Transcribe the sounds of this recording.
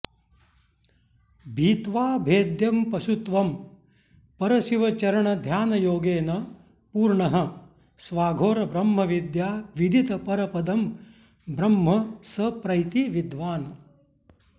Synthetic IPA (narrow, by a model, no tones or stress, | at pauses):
bʱiːt̪ʋaːbʱeːd̪jɐmpɐʃut̪ʋɐm | pɐɾɐʃiʋɐt͡ʃɐɾɐɳɐd̪ʱjaːnɐjoːɡeːnɐ | puːɾɳɐɦɐ̆ | sʋaːɡʱoːɾɐbɾɐmːɐʋid̪jaːʋid̪ʱit̪ɐpɐɾɐpɐd̪ɐm | bɾɐmɦɐsɐpɾɐjt̪iʋid̪ʋaːnɐ